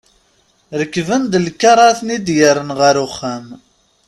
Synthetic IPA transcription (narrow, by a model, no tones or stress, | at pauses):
ɾəkːvənd̪lkːɑɾˤɑθnid̪jəɾənʁəɾʊχːæm